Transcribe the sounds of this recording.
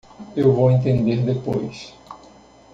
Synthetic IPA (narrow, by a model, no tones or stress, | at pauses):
ewvowẽnt̪ẽnd̪eɾd̪epojs